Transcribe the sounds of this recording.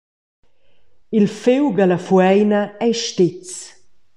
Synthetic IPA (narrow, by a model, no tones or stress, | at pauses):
ilfɪwɡalɐfuɛjnɐɛjʃtɪt͡s